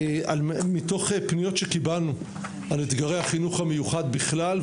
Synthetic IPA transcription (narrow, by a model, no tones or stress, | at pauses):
almito̞χepnijo̞tʃekibalnu | alet̪ɡaʁe̞jhaχinuχhame̞juχadbiχlal